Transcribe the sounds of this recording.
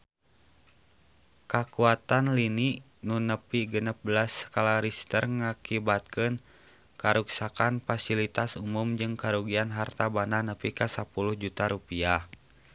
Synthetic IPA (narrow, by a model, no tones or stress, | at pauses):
kakuat̪anliniʔ | nunəpiɡənəp̚bəlasə̥kalaɾist̪ərŋakibat̪̚kɨn | kaɾuksakanfasilit̪asumumd͡ʒɨŋkaɾuɡianɦart̪abananəpikasapuluhd͡ʒut̪aɾupia